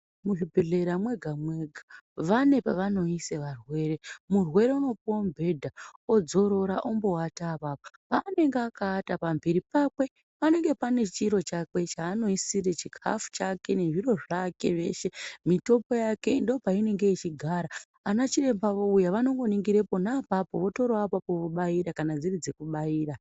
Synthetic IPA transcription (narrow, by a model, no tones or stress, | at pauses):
muʐibʱe̞ɮe̞ɾamwe̞ɡʱamwe̞ɡʱaʋane̞paʋano̞iseʋarwe̞ːre̞murwe̞ɾe̞uno̞pombʱe̞dʱao̞d͡zo̞ɾo̞ɾaʔombo̞watapapa | pane̞ŋɡeakaːtapambiɾipakwe̞ | pane̞ŋɡe̞pane̞t͡ʃiɾo̞t͡ʃakwe̞t͡ʃaːno̞isiɾet͡ʃikʰa̰fu̥t͡ʃake̞ne̞ʐiɾo̞ʐake̞ʋe̞̰ʃe̞mito̞po̞jake̞indo̞paine̞ŋɡe̞it͡ʃiɡʱaɾaː | nat͡ʃire̞mbaʋoujaʋano̞ŋɡo̞niŋɡiɾe̞po̞naːpapo̞ʋo̞to̞ɾoapapo̞ʋoɓaiɾakanad͡zirid͡zekuɓaiːɾa